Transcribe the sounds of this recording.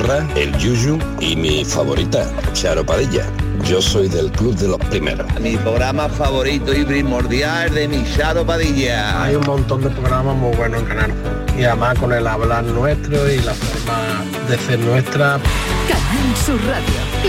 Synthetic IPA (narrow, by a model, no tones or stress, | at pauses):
raḛlʝuʒu | imifa̰βo̞ɾʔit̪a | ʃaɾopaðiʎa̰ | ʝo̞so̞jðe̞lkluβðelo̞hpɾimḛɾo̰mipɾoɣɾamafaβo̞ɾit̪oipɾimo̞ɾðjaeðemiʃaɾopaðiʎaajummõnt̪ond̪epɾoɣɾamamujβwe̞noeŋkanal | iaemakone̞laβlanwe̞st̪ɾoilafoɾma | d̪eθeɾnwe̞st̪ɾakanalnsuraðjo